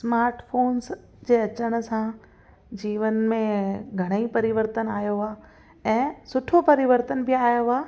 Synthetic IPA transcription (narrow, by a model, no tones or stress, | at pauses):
smaːɾʈfʰoːns | d͡ʑeːɐt͡ɕəɽ̃ʊ̆sã | d͡ʑiːʋənmẽɡʱɐɽ̃əipɐɾɪʋəɾt̪ənaːjoaː | ɛ̃ːsʊʈʰopɐɾɪʋəɾt̪ənbɪaːjoaː